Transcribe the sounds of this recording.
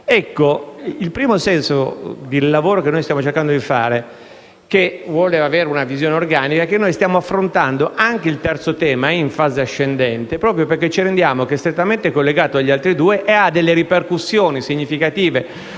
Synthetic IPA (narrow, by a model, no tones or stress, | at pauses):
ɛkːoilpɾiːmosɛnsod̪ilːavoːɾokenːojst̪jaːmot͡ʃerkand̪od̪ifa̰ːɾe | kevwoleaveːɾeunavizjoːneorɡaːnikak̟enːojst̪jaːmoafːɾont̪and̪oʔaŋkeilt̪ɛrt̪sot̪ɛːmaɛiɱfaːzeaʃːend̪ɛnt̪epɾɔːpɾjoperk̟ːet͡ʃiɾend̪jaːmok̟eɛst̪ɾet̪ːament̪ekolːeɡaːt̪oaʎːialt̪ɾid̪uːeʔead̪elːeɾiperkusːjoːnisiɲːifikat̪iːve